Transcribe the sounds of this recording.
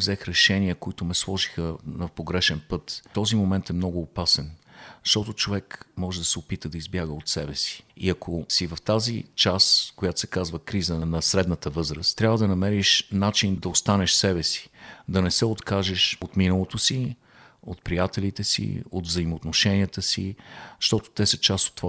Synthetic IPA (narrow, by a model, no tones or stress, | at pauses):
vzɛxɾɛʃɛniəkoit̪ʊmɛslˠɔʒixənɐpoɡɾɛʃɛnpɤt̪t̪ɔzimomɛnt̪ɛmnɔɡʊːpasɛnzʃt̪ɔt̪ot͡ʃovɛkmɔʒɛd̪ɐsɛopit̪əd̪ɐizbjaɡəot̪sɛbɛsi̥ḭɐkʰosivɐft̪azit͡ʃaskojat̪o̥sɛkazvəkɾizənɐsɾɛd̪nət̪əvɤzɾəst̪ːɾʲavəd̪ɐnɐmɛɾiʃnat͡ʃind̪ɐost̪anɛʃsɛbɛsi̥d̪ɐnɛsɛot̪kaʒɛʃot̪minəlˠot̪osi | o̰t̪̚pɾijat̪ɛlit̪ɛsḭod̪vzəimoːt̪noʃɛnʲiət̪əsḭʃt̪ɔt̪o̥t̪ɛsət͡ʃast̪o̥t̪ːva